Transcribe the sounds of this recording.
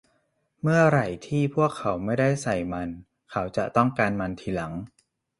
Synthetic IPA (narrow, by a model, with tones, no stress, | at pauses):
mɯ˥˩ɐɾa˨˩jt̪ʰiː˥˩pʰu˥˩əkʰːa˩˦wma˥˩jda˥˩jsa˨˩jma˧n | kʰa˦˥wt͡ɕa̰˨˩ʔt̪ɔ˥˩ŋkaː˧nma˧nt̪ʰiː˨˧˦la˩˦ŋ